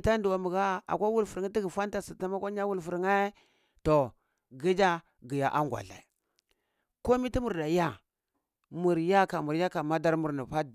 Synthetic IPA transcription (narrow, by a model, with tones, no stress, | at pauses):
ta˦n˦du˨wa˨mu˨ɡa˦a̰˨kʷa˦wu˦lfu˨ɾŋa˦ti˦ɡi˨fa˦nta˦si˨ta˦ma˦kʷa˦ɲa˦wu˦lfu˨ɾŋe˦ | to˨ | ɡi˦d͡ʒa˦ | ɡi˨ja˨ʔa˦ŋ˨ɡʷa̰˨ɬa̰˨ | ko˦mi˦ti˦mu˨ɾda˨ja˦ | mu˨ɾja˦ka˨mu˨ɾja˦ka˨ma˦da˦ɾmu˨ɾni˨pa˦